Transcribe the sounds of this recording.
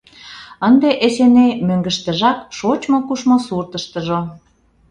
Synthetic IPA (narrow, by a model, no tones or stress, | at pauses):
ənd̪eʔesenemøŋɡə̆ʃt̪ə̆ʒɑkʃot͡ɕmokuʃmosurt̪əʃt̪əʒo